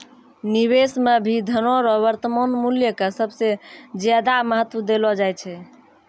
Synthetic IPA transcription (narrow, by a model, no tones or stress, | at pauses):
niβesmebʱid̪ʱənoɾɔβəɾt̪əmonmuljəkesəbʱsed͡ʒjad̪aməɦət̪ːwəd̪elɔd͡ʒajt͡ʃʰɛ